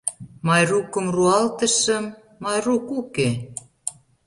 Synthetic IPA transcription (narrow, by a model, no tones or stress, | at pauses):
mɑjrukə̆mruɑlt̪ə̆ʃə̆mː | ɑjrukuke